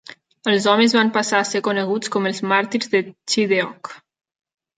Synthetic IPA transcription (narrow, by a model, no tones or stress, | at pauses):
əlˠzɔmezβampasaːsekonəɣ̞ut͡skɔməlˠzmaɾt̪iɾzðət͡ʃiðeɔk